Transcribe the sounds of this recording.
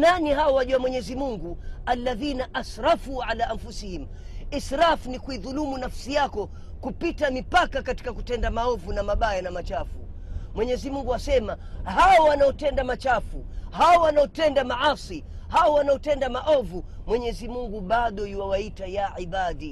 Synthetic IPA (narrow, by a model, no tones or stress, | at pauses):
naniɦawɔwaʄuamwɛɲɛzimuŋɡualːaðinaʔasɾafuʕalaʔamfusihim | isɾafnikuiðulumunafsijakɔ | kupitamipakakati̥kakutɛndamaɔvunamaɓajanamat͡ʃafu | mwɛɲɛzimuŋɡuwasɛma | haɔwanaɔtɛndamat͡ʃafu | hawɔwanaɔtɛndamaʕaːsi | hawɔwanaɔtɛndamaʔɔvumwɛɲɛzimuŋɡuɓaɗɔjuwawaitajaʕiɓaɗi